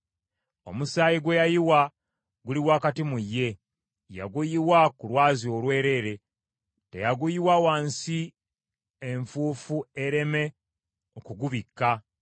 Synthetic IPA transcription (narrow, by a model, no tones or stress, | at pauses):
o̞̰musaːjiɡwe̞jajiwa | ɡuliwaːkatimujːe̞ | ja̰ɡujiwakulwaːzio̞lwe̞ːɾe̞ːɾe̞ | te̞̰jaɡujiwawaːnsi | eɱfuːfueɾe̞me̞ | okuɡuβikːa